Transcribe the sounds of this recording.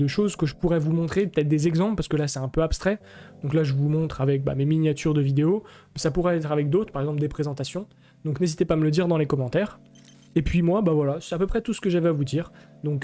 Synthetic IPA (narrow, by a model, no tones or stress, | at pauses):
d̪əʃozkəʒəpuʁɛvumɔ̃t̪χepə̥t̪ɛt̪χd̪ezɛɡzɑ̃pləpaʁsəkəlasɛɛ̃pøapst̪χɛ | d̪̥ɔ̃klaʒəvumɔ̃t̪χavɛk̚ba̰meminjat̪yʁd̪əvid̪eomɛsapuʁɛɛt̪χavɛk̚d̪ot̪χpaʁɛɡzɑ̃pld̪epχezɑ̃t̪asjɔ̃ | d̪ɔ̃knezit̪epamələd̪iʁd̪ɑ̃lekɔmɑ̃t̪ɛːʁ | epɥimwabavwalasɛapøpχɛt̪usə̥kəʒavɛavud̪iːʁd̪ɔ̃k